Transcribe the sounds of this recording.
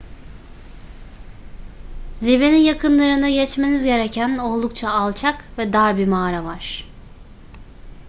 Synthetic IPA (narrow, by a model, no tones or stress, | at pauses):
ziveninjakʰɯnlˠaɾɯnd̪aɟɛt͡ʃmenizɟe̞ɾecʰæno̞lˠd̪ukt͡ʃʰaːlˠt͡ʃʰakvɛd̪aɾbimaːɾavaɾ̥